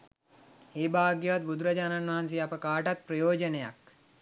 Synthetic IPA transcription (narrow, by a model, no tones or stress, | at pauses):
eːbaːɡjeʋat̪̚bud̪ɾɐd͡ʒaːnanʋaɦans̬eapəkaːʈat̪̚pɾɐjoːd͡ʒəneja̰k